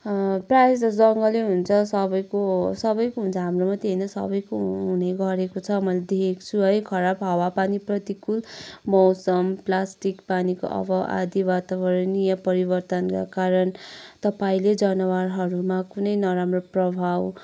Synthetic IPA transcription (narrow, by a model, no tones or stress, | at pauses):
prajsd͡zʌd͡zʌŋɡʌleɦunt͡sʰʌsʌbʌjkosʌbʌjkoɦũnt͡sʰʌɦamromʌt̪eɦinʌsʌ̰bʌjkoɦɦuneɡʌɾekot͡sʰʌmʌjled̪ekʰekt͡sʰuɦʌjkʰʌɾapɦʌwapaniprʌt̪ikulmʌwsʌmplasʈikpaniko̰ʔʌ̰bʌʔa̰d̪ibat̪abʌɾnijʌpʌɾibʌrt̪ʌnka̰kaɾʌnt̪ʌpaĩled͡zʌnʌwaɾɦʌɾumakunʌjnʌɾamroprʌbʱaw